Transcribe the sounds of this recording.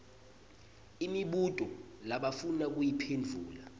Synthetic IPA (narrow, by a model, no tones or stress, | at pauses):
imiɓutʼɔlaɓafunak̬ujipʰend͡vʱṵːla